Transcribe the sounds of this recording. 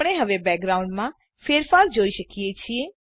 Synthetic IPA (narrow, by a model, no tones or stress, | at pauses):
ɽ̃eɦəʋebɛːk̚ɡɾaũɳɖmã | feːɾfaːɾd͡ʒoːiʃəkijet͡ʃʰie